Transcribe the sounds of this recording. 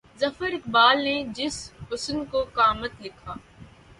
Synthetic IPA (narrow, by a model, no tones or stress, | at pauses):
zɐfəɾɪkbaːlned͡ʒɪsɦʊsənkokaːmət̪lɪkʰaː